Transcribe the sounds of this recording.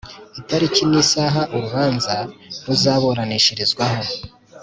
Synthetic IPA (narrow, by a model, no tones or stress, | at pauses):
itaɾiciniːsaːɦaʔuɾuβaːnzaɾuzaːβoɾaniʃiɾizɡwaho̞